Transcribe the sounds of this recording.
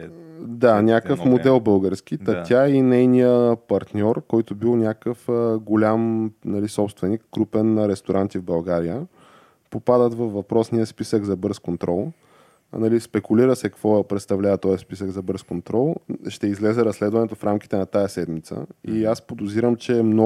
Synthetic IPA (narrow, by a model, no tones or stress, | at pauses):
d̪anʲakəfmod̪ɛlˠbɤlˠɡəɾsk̟ʲit̪ɐt̪ʲjainɛjnijəpɐɾt̪nʲɔɾkɔjt̪ʊbilˠnʲakəfəɡolʲamnɐlisɔpst̪vɛnikːɾupɛnːɐɾɛst̪oɾʔant̪ivbɐlˠɡaɾijə | popad̪ət̪vəfvɐpɾɔsniəspisəɡzɐbɤɾskont̪ɾɔlˠ | nɐlispɛkʊliɾəsɛkɐkvɔpɾɛt̪st̪ɐvlʲavət̪ɔjspisəɡzɐbɤɾskont̪ɾɔlˠʃt̪ɛizlɛzɛɾɐslɛd̪vɐnɛt̪ofɾamkʲi̥t̪ɛnɐt̪ajəsɛd̪mit̪sə̰iaspod̪ʊziɾəmt͡ʃɛːmnɔ